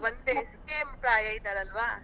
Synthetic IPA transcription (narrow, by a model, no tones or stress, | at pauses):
ʋɐnd̪eskeːmpɾaːjɐjid̪aːɾɐlʋaː